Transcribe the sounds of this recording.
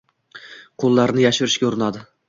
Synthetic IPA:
qʰolˠːaɾnɪjaʃʊɾɪʃkʲaʊɾɪnad̪ɪ

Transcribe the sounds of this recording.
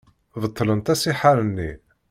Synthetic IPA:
vət̪ˤːlənt̪æsiħaɾənːi

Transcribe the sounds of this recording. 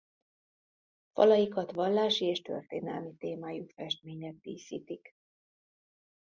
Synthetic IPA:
fɒ̰lɒjikɒt̪ʋɒlːaːʃieːʃt̪ø̰rt̪ḛːnɛlmit̪eːmaːjukfɛʃt̪meːɲɛt̪dḭːsḭːt̪ik

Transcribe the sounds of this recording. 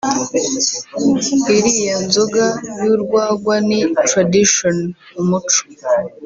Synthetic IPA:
iɾijonzoɡajuɾɡwaːɡwanitɾadiʃon | umut͡ʃo̥

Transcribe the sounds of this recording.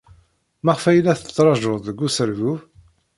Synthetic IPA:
mæʁfæjlːæθət͡sːɾˤɑʒoðˤðəɡːusəɾvuv

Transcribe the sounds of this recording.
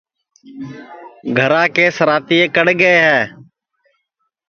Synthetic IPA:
ɡʱəɾãːkeːsəɾaːt̪iːeːkəɽɡəeːɦɛː

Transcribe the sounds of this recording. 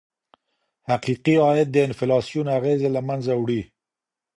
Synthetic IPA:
haqiqiɑɪt̪̚d̪əɪnfɪlɑsijunaɣezelamanzawɽi

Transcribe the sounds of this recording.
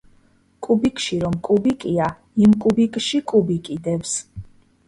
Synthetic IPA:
kʼubikʼʃiɾɔmkʼubikʼia | imkʼubikʼʃikʼubikʼid̪ɛfs

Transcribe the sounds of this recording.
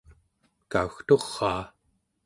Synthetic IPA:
kauxt̪o̞ʁːɑː

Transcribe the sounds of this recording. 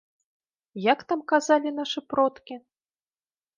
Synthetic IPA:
jakt̪amkazalʲinaʂɨpɾɔt̪kʲi

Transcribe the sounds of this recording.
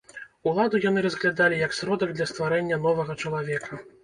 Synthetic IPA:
ulˠad̪ujanɨɾɐzɣlʲad̪alʲijɐksʲɾɔd̪ɐɡ̚d̪lʲɐst̪vaɾɛnʲːɐnɔvɐɣɐt͡ʂɐlˠavʲɛkʰɐ

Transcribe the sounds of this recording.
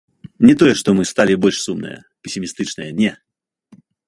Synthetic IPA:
nʲɪt̪ojɛʂt̪ɔmɨst̪alʲɪbɔlʲʂsumnɨ̰jə̰ | pʲɪsʲɪmʲist̪ɨt͡ʂnɨjənʲɛ

